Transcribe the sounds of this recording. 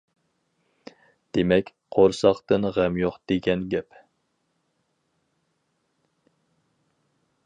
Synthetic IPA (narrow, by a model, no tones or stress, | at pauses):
d̪̥emɛkʲ | qʰoɾsɑqt̪ɨnʁɛmjoχd̪̥eɡʲɛnɡʲɛp